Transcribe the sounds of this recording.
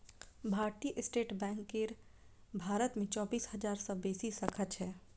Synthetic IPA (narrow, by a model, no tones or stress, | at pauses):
bʱaːɾt̪iʔɪsʈeːʈbɛ̃ːŋkːeɾ | bʱaːɾət̪mẽt͡ʃɔːbiːshɐd͡ʒaːɾsɔbeːsisəkʰət͡ʃɦɛː